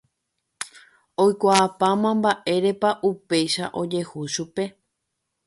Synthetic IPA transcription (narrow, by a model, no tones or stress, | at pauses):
o̞jkʷaːpamãmbaʔe̞ɾe̞paʔupe̞jʃaʔo̞d͡ʒe̞huʃupe̞